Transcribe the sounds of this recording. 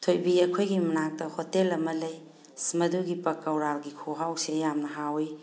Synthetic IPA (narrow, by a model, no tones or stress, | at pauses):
tʰojbiɐkʰojɡimɐnak̚tɐhotelɐmɐlɐj | smɐduɡipɐkːɐwɾaɡikʰoɦawsejamnɐɦawi